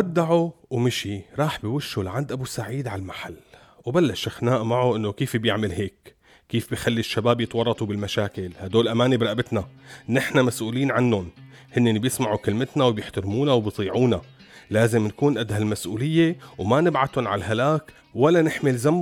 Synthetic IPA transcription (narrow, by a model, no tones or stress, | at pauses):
ʔad̪ːaʕuwmɪʃiɾˤɑːħbiwʊʃːulaʕand̪ʔabusaʕiːd̪ʕalmaħalː | wbalːaʃʔaxnaːʔmaʕuʔɪnːokiːfbjɪʕmɪlɦeːkː | iːfbijxalːiʃːabaːbjɪt̪ˤwɑrˤːɑt̪ˤubɪlmaʃaːkɪlhad̪oːlʔamaːnibɾˤɑʔbɪt̪nanɪħnamasʔuːliːnʕanːʊnhɪnːeʔːɪbjɪsmaʕukɪlmɪt̪nawbjɪħt̪aɾmuːnawbjt̪ˤiːʕuːna | laːzɪmnkuːnʔad̪halmasʔuːlɪjːewmanɪbʕat̪ʊnʕa̰lɦalaːk | walːanɪħmɪlzam